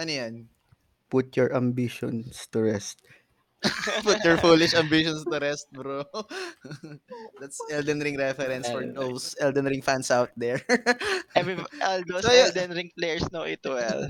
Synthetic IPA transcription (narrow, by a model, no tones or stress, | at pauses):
ʔɐnjan | pʊt̪̚jɔɹʔɐmbiʃɔ̰nst̪ʊɹɛst̪̚ | pʊt̪̚jɔɹfuːlɪʃɐmbiʃɔnst̪ʊɾɛst̪̚bɾo | d̪at̪sɛld̪ɛnɾɪŋɾɛfɛɾɛ̃nsfɔɹd̪owsʔɛld̪ɛnɾɪ̃ŋfansʔawt̪̚d̪ɛɹ | ɛviʔɔld̪osold̪ɛnɾɪŋplejɛɹsnoʔit̪uɛ̰l